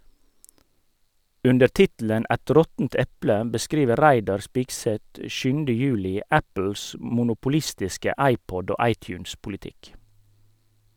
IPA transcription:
ˈʉndə ˈʈɪtl̩ən ˈʔæt ˈɾɔtn̩t ˈɛplə bəˈskɾiːʋəɾ ˈɾæɪdɑɾ ˈspɪɡsɛt ə ˈʃʉːn̩də ˈjʉːlɪ ˈæpl̩s mʊnʊpʊˈlɪstɪskə ˈɑɪˌpɔd ˈoː ˈɑɪˌtjʉːnspʊlɪˌtɪk

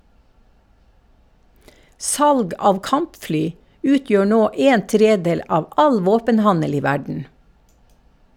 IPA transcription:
ˈsɑlɡ ˈɑːʋ ˈkɑmpˌflyː ˈʉːˌtjøː ˈnoː ˈeːn ˈtɾeːˌdeːl ˈɑːʋ ˈɑl ˈʋoːpənˌhɑnəl ˈiː ˈʋæɖɳ̩

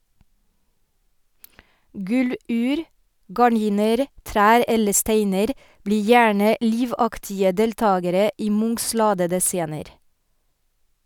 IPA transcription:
ˈɡʉˌlʉːɾ ɡɑˈɳiːnəɾ ˈtɾæːɾ ˈɛlə ˈsteɪnəɾ ˈbliː ˈjæːɳə ˈliːʋɑktɪə ˈdɛlˌtɑːɡəɾə ˈiː ˈmʊŋs ˈlɑːdədə ˈseːnəɾ

